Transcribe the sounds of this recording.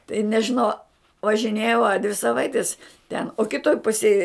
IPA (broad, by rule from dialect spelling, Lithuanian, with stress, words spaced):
tɐɪ nʲɛʒʲɪˈnɐʊ ʋɐʒʲɪˈnʲeːjɛʊ ɐ dʲʋʲɪ sɐˈʋɐɪtʲɪs tʲɛn oː kʲɪˈtoːj ˈpʊsʲeːj